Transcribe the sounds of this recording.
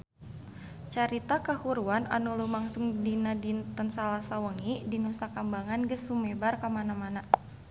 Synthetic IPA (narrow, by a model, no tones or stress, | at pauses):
t͡ʃaɾit̪akəhuɾuana̰nulumaŋsʊŋdinadint̪ənsalasawəŋidinusakambaŋanɡəsumebarkamanamana